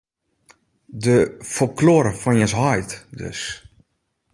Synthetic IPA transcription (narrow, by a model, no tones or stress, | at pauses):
dəfɔlkloːɾəfɔnjɛsɦɔjtdø̰s